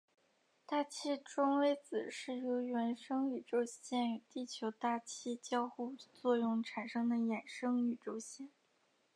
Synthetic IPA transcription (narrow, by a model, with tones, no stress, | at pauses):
t̪a˥˩t͡ɕʰi˥ʈ͡ʂʊ˥ŋwe˧˥ɪt͡sɹ̩˨˩ʂɻ̩˥˩jo˧˥ʊɥɛ˧˥nʂɤ˥ŋy˨˩ʈ͡ʂo˥ʊɕjɛ˥˩nt̪i˥˩t͡ɕʰjo˧˥ʊt̪a˥˩t͡ɕʰi˥t͡ɕjɑ˥ʊxu˥˧t͡swɔ˥˧jʊ˥˩ŋʈ͡ʂʰa˨˩nʂɤ˥ŋd̪ə˨jɛ˨˩nʂɤ˥ŋy˨˩ʈ͡ʂo˥ʊɕjɛ˥˩n